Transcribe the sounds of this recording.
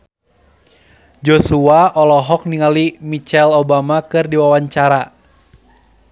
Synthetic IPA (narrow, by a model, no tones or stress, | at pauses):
d͡ʒosuaʔɔlɔɦɔk̚niŋalimit͡ʃɛlobamakɨrdiwawaɲt͡ʃaɾa